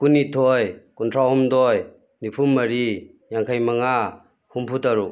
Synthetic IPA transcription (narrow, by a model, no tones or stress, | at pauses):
kunːitʰɔjkuntʰɾahɔmdɔj | nipʰumːɐɾi | jaŋkʰajmaŋa | humpʰutaɾu